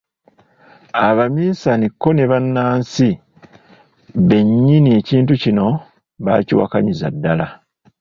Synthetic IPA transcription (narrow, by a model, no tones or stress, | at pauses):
aβamiːsanikːo̞ne̞βanːaːnsi | βe̞ɲːinie̞ciːntucino̞ | βa̰cḭwa̰kaɲiza̰dːala